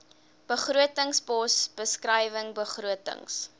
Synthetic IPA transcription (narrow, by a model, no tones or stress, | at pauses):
b̥əχruətəŋsbɔsb̥əskrəjvəŋbəχruətə̰ŋs